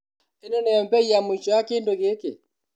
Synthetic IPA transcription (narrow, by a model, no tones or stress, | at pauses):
enɔnɛm̩pɛiamuit͡ʃɔakɪndoɣeke